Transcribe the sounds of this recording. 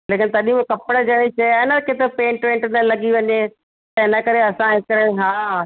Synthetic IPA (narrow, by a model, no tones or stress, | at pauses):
leːkɪnt̪ɐɗĩbkɐpɪɽəd͡ʑɐɽ̃it͡ɕɐjaːnəkʰet̪opẽːɳʈʋẽːɳʈnəlɐɡiʋɐɲe | t̪ɐɪnəkɐɾeɐsãɦekːəɾeɦaː